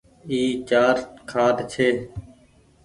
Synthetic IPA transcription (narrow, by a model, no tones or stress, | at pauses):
iːt͡ʃaːɾkʰaːʈt͡ʃʰeː